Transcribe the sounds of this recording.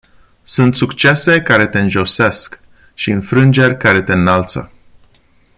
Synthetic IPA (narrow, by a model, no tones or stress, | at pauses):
sunt̪sukt͡ʃe̞se̞kaɾe̞t̪e̞ɨnʒo̞se̞sk | ʃiɨnfɾɨnd͡ʒe̞rʲkaɾe̞t̪e̞nalt̪sə̰